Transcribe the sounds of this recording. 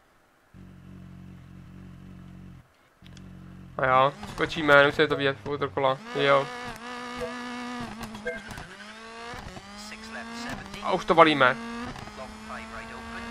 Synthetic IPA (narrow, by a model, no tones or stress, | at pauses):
ajaːskot͡ʃiːmɛnɛusɛɛt̪oviɛt̪fot̪ɾokolaɪjo | ʔa̰ʔuʃt̪ovaliːmɛ